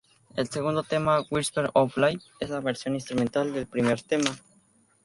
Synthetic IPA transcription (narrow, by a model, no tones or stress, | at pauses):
ḛlseɣund̪ot̪emawiɾspeɾoplaj | eslaβeɾsjonĩnst̪ɾument̪ald̪elpɾimeɾt̪ema